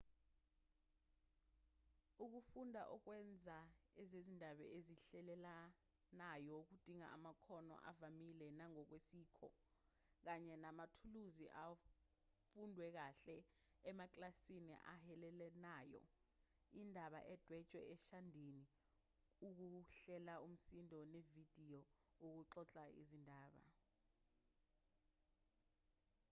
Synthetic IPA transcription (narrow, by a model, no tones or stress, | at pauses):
uk̬ufundʱa̰ʔɔk̬wɛnd͡zʱaɛzezindʱaɓɛ̰eziɬɛlɛla | najɔuk̬ud̥ʱiŋa̰ʔa̰makʰɔnɔ̰ʔa̰vamilɛnaŋɔk̬wesiːkʰɔ̰ | k̬aɲɛnamatʰuluziʔa | fundʱwɛk̬aɬɛ | ɛmak̬ʼlasinḭʔahɛlɛlɛnaːjɔ̰ | indʱaɓa̰ʔɛd̥ʱwɛ̥t͡ʃʼwɛ̰ɛʃandʱini | uk̬uɬɛlaum̩sindʱɔnevid̥ʱijɔok̬uǀɔt͡ɬʼaḭzindʱaːɓa̰